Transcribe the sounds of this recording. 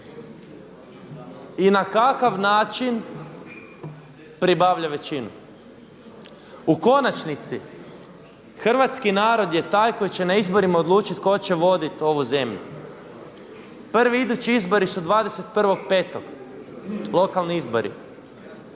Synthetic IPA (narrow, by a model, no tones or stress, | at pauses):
inakakaʋnaːt͡ʃin | pɾibaːʋʎaʋe̞t͡ɕinṵ | uko̞nat͡ʃnit̪si | xr̩ʋat̪skinaːɾo̞d̪je̞t̪aːjko̞jit͡ɕe̞naizbo̞ɾimao̞d̪lˠuːt͡ʃit̪ko̞t͡ɕeʋo̞d̪it̪o̞ʋuze̞mʎṵ | pr̩ʋiid̪ut͡ɕiizbo̞ɾisud̪ʋaːd̪ese̞t̪pr̩ʋo̞ɡpe̞ːt̪o̞ɡ | lˠo̞kalˠniizbo̞̰ɾḭ